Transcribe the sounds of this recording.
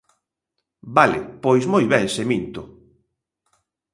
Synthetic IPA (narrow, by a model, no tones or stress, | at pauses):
balɪ̰pojszmojβɛŋsemint̪ʊ